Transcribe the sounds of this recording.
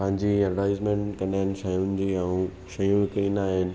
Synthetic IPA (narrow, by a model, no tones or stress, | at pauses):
pɐ̃ɦɪ̃ɲd͡ʑiɐɾɾãːɪzmẽɳʈkɐnaːɪnɪ̆ʃɐjʊnɪd͡ʑiːɛ̃ũ | ʃɐjũʋɪkɾinaːɦɪnɪ̆